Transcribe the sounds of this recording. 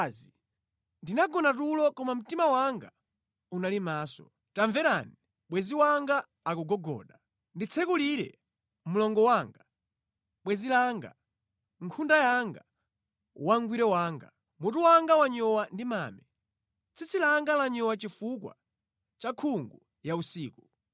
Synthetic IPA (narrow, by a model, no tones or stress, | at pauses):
zi | ndinaɡɔnatulɔkɔmam̩timawaŋɡa̰ | unalimaːsɔ̰ | taɱvɛɾani | ɓwɛziwaŋɡa | akuɡɔɡɔ̰ːɗa | ndit͡sʰɛkuliɾɛ̰ | mulɔŋɡɔwaːŋɡa | ɓwɛzilaŋɡa̰ | ŋ̩kʰundajaŋɡa | waŋɡwiɾɛwaːŋɡa̰ | mutuwaŋɡawaɲɔwandimaːmɛ | t͡sʰit͡silaŋɡalaɲɔwat͡ʃifukwa̰ | t͡ʃakʰuŋɡu | jausiːku